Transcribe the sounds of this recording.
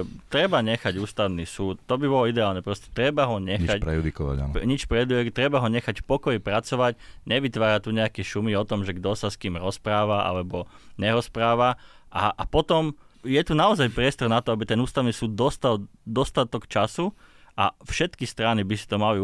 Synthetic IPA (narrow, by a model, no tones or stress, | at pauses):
t̪ɾɛbaɲɛxaɟuːst̪aʊniːsuːt̪t̪ːɔbibɔlɔid̪ɛaːlnɛpɾɔscɛ̥t̪ɾɛbaɦɔɲɛxɲapɾɛ̰jud̪ikɔʋa̰a̰nɲit͡ʃpɾɛud̪iɛkt̪ɾɛbaɦɔɲɛxacfpɔkɔjipɾat͡sɔʋacɲɛʋit̪ʋaːɾat̪uɲɛakɛʃumiɔt̪ɔmʒɛɡd̪ɔsaskiːmɾɔspɾaːʋaʔa̰lɛbɔɲɛɾɔspɾaːʋaʔaʔːpɔt̪ɔmjɛt̪unaɔzajpɾɪɛst̪ɔɾnat̪ɔabit̪ɛnuːst̪aʊniːsuːd̪̚d̪ːɔst̪al | d̪ɔst̪at̪ɔkt͡ʃasuʔafʃɛt̪kist̪ɾanibisi̥t̪ɔmali